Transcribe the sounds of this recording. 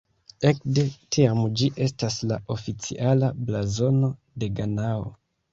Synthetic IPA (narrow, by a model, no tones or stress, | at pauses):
e̞kde̞tʰiamd͡ʒiʔe̞staslaʔo̞fit͡sḭʔalablazo̞no̞ | de̞ɡanao̰